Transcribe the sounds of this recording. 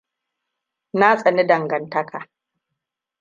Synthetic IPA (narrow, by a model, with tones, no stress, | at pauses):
na˦sʼɐ˨ni˦dɐ˨ŋɡɐ˨ntɐ˦kʰa˨